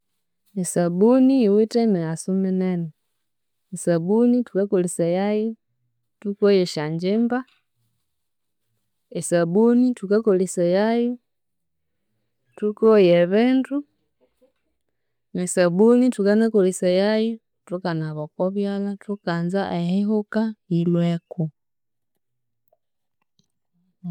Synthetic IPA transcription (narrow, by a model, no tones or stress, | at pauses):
esaβunijwitemeasumeneno | esaβunitukakolisajaju | tukojeʃaɲd͡ʒimba | esabunitukakolisajaju | tukojeβeːntu | nesaβunitukanakolisajaju | tukanaβokoβjalatukaːnzaajahiɦukailweku